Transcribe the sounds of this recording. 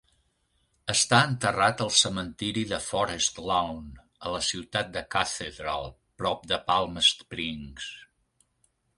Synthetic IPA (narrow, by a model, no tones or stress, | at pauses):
əst̪aənt̪ərat̪əlˠsəmənt̪iɾiðəfɔɾəst̪lawn | ələsiwt̪at̪̚d̪əkat̪eðɾa̰lˠ | pɾɔp̚d̪əpalˠməst̪pɾiŋs